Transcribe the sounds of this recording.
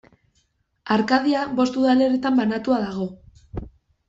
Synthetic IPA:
aɾkað̞iaβo̞st̪uðale̞ɾet̪ambanat̪uaðaɣ̞o̞

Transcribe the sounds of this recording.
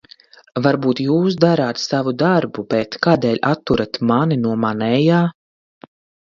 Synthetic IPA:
vaɾbuːt̪juːsd̪aɾaːt̪savud̪aɾbubet̪kaːd̪ɛːlʲat̪ːuɾat̪maninuɔmanɛjaː

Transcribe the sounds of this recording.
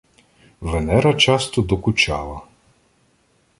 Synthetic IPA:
ʋɛnɛɾɐt͡ʃast̪ɔd̪ɔkʊt͡ʃa̰lˠɐ

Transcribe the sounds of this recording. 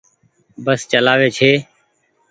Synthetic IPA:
bəst͡ʃəlaːʋeːt͡ʃʰeː

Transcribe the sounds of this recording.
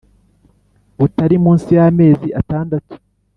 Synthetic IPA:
βutaɾimuːnsijame̞ːziʔataːndatu̥

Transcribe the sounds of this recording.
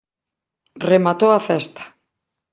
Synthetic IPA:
remat̪owaθɛst̪ḁ

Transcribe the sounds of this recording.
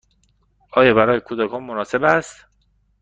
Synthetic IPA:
ʔɒːjɒːbæɾɒːjekʰud̪ækʰɒːnmonɒːse̞bæst̪

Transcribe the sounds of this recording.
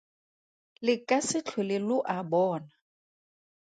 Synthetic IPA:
lɪkʼasɪt͡ɬʰelɪlʊʔabɔːna

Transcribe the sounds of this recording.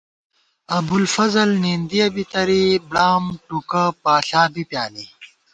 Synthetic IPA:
ɐbulfɐzɐlnind̪ijɐbit̪ɐɾibɽaːmʈukapaːɬaːbipjaːli

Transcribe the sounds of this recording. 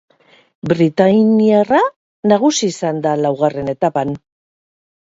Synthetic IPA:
bɾit̪ajniara | naɣusiːsand̪alawɣare̞ne̞t̪apan

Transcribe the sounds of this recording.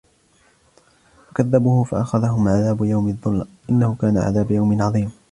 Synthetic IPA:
fwakaðːabuːhʊfaʔaxaðaɦʊmʕaðaːbʊjawmɪðˤːʊlːʔɪnːahʊkaːnaʕa̰ðaːbajawmɪnʕɑðˤiːm

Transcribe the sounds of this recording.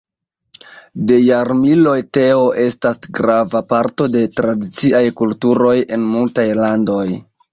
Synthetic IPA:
de̞jaɾmilo̞jte̞o̞ʔe̞stasɡɾavapaɾto̞de̞tɾadit͡siʔajkultuɾo̞je̞nmultajlando̞j

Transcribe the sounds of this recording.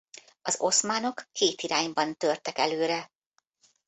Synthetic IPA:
ɒzo̞smaːno̞kːeːt̪iɾaːɲbɒnt̪ørt̪ɛkɛløːɾɛ

